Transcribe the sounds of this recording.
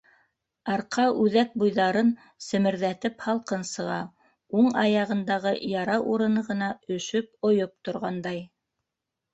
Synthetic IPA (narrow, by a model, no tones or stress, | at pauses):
ɑɾqɑʔʉðæk̚bujðɑɾɤn | sɘ̆mɘ̆ɾðæt̪ɘphɑlˠqɤnsɤ̆ʁɑ̰ | uɴɑjɑʁɤ̆nd̪ɑʁɤjɑɾɑʔuɾɤ̆nɤʁɤ̆nɑɵ̆ʃɵp̚ŏjop̚t̪ŏɾʁɑnd̪ɑj